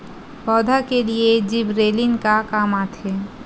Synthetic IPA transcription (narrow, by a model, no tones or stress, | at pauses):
pɔːd̪ʱakelied͡ʒɪbɾeːlɪnkakaːmaːt̪ʰeː